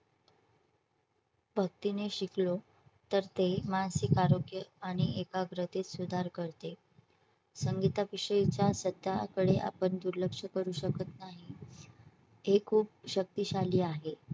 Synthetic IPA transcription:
bʱək̚t̪ineɕiklo | t̪əɾt̪emansikaɾoɡjəaɽ̃iʔekaɡɾət̪et͡ssud̪ʱaɾkəɾt̪e | səŋɡit̪aʋiʂəjit͡ɕjasəd̪jakəɽeʔa̰pəɳd̪uɾləkʂəkəɾuːɕəkət̪naɦi | ɦekʰuːp̚ɕək̚t̪iːɕaliːaɦe

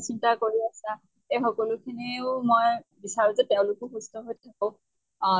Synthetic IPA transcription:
sintakoɹiasa | exɔkɔlʊkʰiniʊmojbisaɹuzɛteʊ̃lʊkʊxustɔɦojtʰakɔ̃ʊ̃

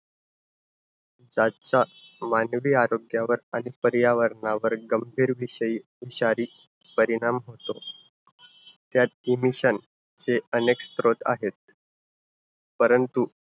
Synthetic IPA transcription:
d͡zat͡sa | manʋiːaɾoɡjaʋəɾaɽ̃ipəɾjaʋəɾɳaʋəɾɡəmbʱiːɾʋiɕəiːʋiɕaɾiː | pəɾiɽ̃amɦot̪o | t̪jat̪̚imiɕən | t͡seənekst̪ɾot̪a̰ɦet̪̚ | pəɾənt̪u

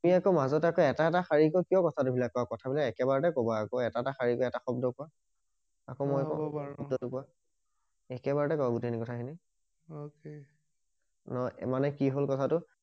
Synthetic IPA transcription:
tmiakomazɔtakɔɛtaɛtaxaɹikɔkijɔ̃kɔtʰatʊbʱilakːɔakɔtʰabilakɛkɛbaɹɔtɛkɔbaːkoɛtaɛtaxaɹikɔɛtaxɔbdɔkʊwa | akomɔjakɔ̰ɔb̚dɔtʊkʊwa | ɛkɛbaɹɔtɛkɔbaɡutinikɔtʰakʰini | oke | nɔmanɛkiɦolkɔtʰatʊ

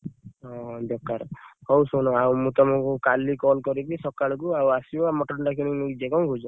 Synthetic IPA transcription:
ɔd̪ɔkːaɾhɔwsunɔawmũt̪ɔmɔkukalikɔlkɔɾibisɔkaɭɔk̬uawasiamɔʈɔɳʈakunikmũkid͡ʒekɔw̃ɡʱud͡ʒɔ

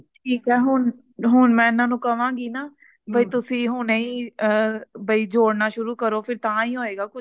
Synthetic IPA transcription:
ʈʰiːkɛːɦʊn | ɦʊnmɛ̃ːɪnãːnũːkəʋãːɡiːnaː | bəiːt̪ʊsĩːɦʊneĩː | bəiːd͡ʒoːɽnaːʃʊɾuːkəɾoːpʰɪɾt̪ãːiːɦoːeːɡaːkʊt͡ʃʰ

